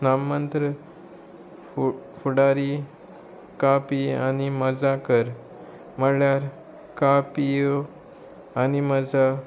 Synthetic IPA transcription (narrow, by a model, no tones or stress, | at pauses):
namːənt̪ɾə | fuɽaɾi | kapianiməd͡zakəɾ | məɽɭjaɾ | kapijo | animəd͡za